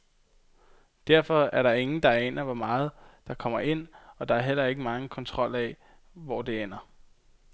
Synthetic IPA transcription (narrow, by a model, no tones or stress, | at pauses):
d̥æɐ̰fɒ̽æɐɾ̥ɑ̈e̝ŋn̩d̥ɑ̈enɐʋɒmɑ̈ːð̞̩ˠd̥ɑ̈kʰɒ̽m̰ɐʔe̝n̰ɒ̽d̥ɑ̈æɐɦel̰ɐe̝ɡ̥əmɑ̈ŋkʰɒ̽nt͡sʰʁɒ̽l̰ɛ | ʋɒd̥e̝en̰ɐ